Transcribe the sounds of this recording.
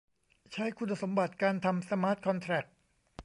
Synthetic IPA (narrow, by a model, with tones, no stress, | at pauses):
t͡ɕʰa˦˥jkʰu˧nːa˧so˩˦mba˨˩t̪̚kaː˧nt̪ʰa˧msa˧maː˦˥t̪̚kʰɔ˧nt̪ʰɾɛ˨˩k̚